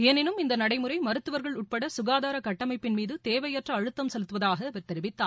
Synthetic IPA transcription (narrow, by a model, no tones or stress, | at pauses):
ɐnɪnɯmɪnd̪ɐnɐɽɐɪmɯɾɐɪmɐɾɯt̪ːɯʋɐɾɣɐɭʊʈ̚pɐɽɐsʊɣaːðaːɾɐkɐʈːɐmɐɪpːɪnmiːðɯt̪eːʋɐjɐʈrɐːɻɯt̪ːɐmsɛlɯt̪ːɯʋɐðaːɣɐːʋɐɾt̪ɛɾɪʋɪt̪ːaː